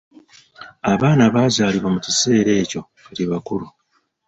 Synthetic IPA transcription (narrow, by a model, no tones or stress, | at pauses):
aβaːnaβaːzaːliβamucise̞ːɾe̞ːco̞ | eɾiβakuɾu